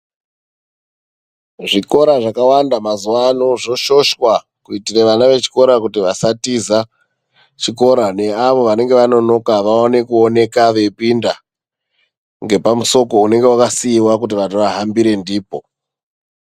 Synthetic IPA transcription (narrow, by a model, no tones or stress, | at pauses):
ʐiko̞ɾaʐakawandamazuʋanoʐo̞ʃo̞ʃwa | kuitireʋanaʋe̞t͡ʃi̥ko̞ɾakutiʋasatiza | t͡ʃiko̞ɾane̞aʋo̞ʋane̞ŋɡe̞ʋano̞no̞kaʋaone̞kuone̞kaʋe̞pinda | ŋɡe̞pamuso̞ko̞une̞ŋɡe̞wakasiːwak̬ut̬iʋatoʋaɦambiɾe̞ndiːpo̞